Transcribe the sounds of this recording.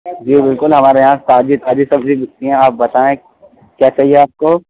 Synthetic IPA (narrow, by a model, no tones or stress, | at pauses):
d͡ʒiːbɪlkʊlɦɐmaːɾejɦãt̪aːd͡ʒit̪aːd͡ʒisɐbʱbʱibɪt͡ʃt̪iɦɛ̃aːp̚bɐt̪aːẽ | kjaːt͡ʃaɦieaːp̚koː